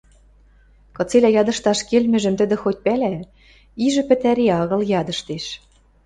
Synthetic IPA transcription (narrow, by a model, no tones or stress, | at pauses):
kɤ̆t͡selæjɑd̪ɤ̆ʃt̪ɑʃkelmɘ̆ʒɘ̆mt̪ɘ̆d̪ɘ̆xot̚ʲpælæ | iʒɘ̆pɘ̆t̪æɾeɑɣɤ̆ljɑd̪ɤ̆ʃt̪eʃ